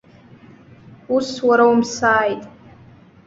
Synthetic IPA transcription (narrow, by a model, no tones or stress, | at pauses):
uswaɾaumsaːjtʼ